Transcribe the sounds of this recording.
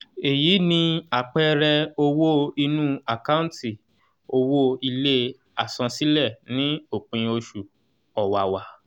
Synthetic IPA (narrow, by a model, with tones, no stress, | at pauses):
e˨jiː˨˦nĩ˧a˨k͡pɛ˦ɾɛ˧o˦˧wo˦i˧nũ˦a˨ka˦ũ˦ti˦˨ | o˧wo˦i˧le˦ | a˨sã˧si˦lɛ˦˨nĩ˨˦o˦˨k͡pĩ˨˧o˧ʃu˨ | ɔ˨wa˨wa˧